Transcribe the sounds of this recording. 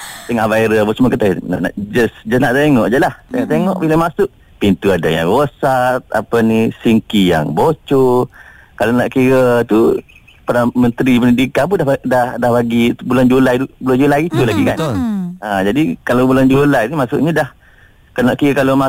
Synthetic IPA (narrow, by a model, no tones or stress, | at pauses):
t̪əŋaʔvaiɾəbəsəmuakət̪ana̰ʔna̰ʔd͡ʒəsd͡ʒəsnaʔt̪eŋɔʔd͡ʒalaht̪eŋɔʔt̪eŋɔʔbilamasʊʔ | pint̪uadaja̰ŋɾosat̪̚a̰panisiŋkija̰ŋbot͡ʃo | kalanaʔkiɾət̪u | pəɾamənt̪ɾipənidikanp̬undahdahdahbaɡibuland͡ʒulajubuland͡ʒulajit̪ulaɡikanad͡ʒadikalabuland͡ʒulajt̪umasʊʔɲadah | kanaʔkiɾakaloma